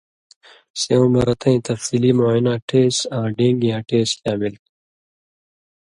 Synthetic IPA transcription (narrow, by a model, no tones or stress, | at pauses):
seõːmɐɾɐt̪ʰɐ̃ĩt̪ɐfsiːliːmoːinãːʈʰeːsãːɖẽːŋɡijãːʈeːsjaːbilt̪̚